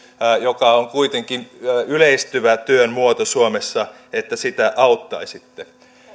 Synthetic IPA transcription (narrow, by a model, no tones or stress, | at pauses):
jokɑoŋkuit̪eŋkinyleist̪yʋæt̪yønmuot̪osuomesːɑ | et̪ːæsit̪æʔɑut̪ːɑisit̪ːe